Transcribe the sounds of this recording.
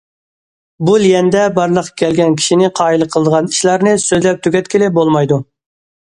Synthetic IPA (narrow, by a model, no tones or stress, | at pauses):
bulijɛnd̪ɛbɑɾlˠəqːɑ̥kʲʰɛlɡʲɛnkʲʰi̥ʃinɪqʰɑːilˠəqʰəlˠəd̪əʁɑni̥ʃlˠɑɾnɨsøzlɛp̚t̪ʰyɡʲɛt̪kʲilɪbolˠmɑjd̪u